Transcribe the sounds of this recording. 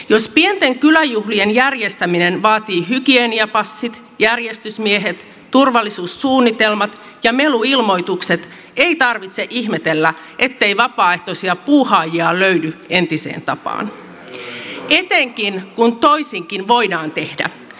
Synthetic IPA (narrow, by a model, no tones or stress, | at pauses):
jo̞spie̞nt̪e̞ŋkylæjuɦlienjærje̞st̪æminenʋɑːt̪iːɦykieniɑpɑsːit̪ | jærje̞st̪ysmieɦe̞t̪ː | urʋɑlːisuːsːuːnːit̪e̞lmɑt̪ | jɑme̞luilmo̞jt̪ukset̪ | e̞jt̪ɑrʋit̪se̞ʔihme̞t̪elːæ | ʔe̞t̪ːe̞jʋɑpɑːe̞ht̪o̞siɑpuːhɑːjiɑløɥdye̞nt̪isḛːnt̪ɑpɑ̰ːn | e̞t̪eŋkinkunt̪o̞isiŋkinʋo̞jdɑːnt̪e̞hdæ̰